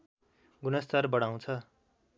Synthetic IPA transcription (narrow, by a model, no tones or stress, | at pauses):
ɡunʌst̪arbʌɽaw̃t͡sʰʌ